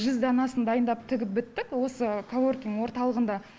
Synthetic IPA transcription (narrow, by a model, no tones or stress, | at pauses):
ʒʏzd̪ɑnɑsənd̪ɑjənd̪ɑp̚t̪ʰɪɡʲɪp̚bɪt̪ːɪkwo̞səkʰoworkʲiŋwo̞ɾt̪ɑlˠəʁənd̪ɑ